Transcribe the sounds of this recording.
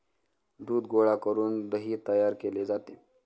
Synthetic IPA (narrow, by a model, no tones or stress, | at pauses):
d̪uːd̪ɡoɭakəɾuːnd̪əɦiːt̪əjaɾkeled͡zat̪e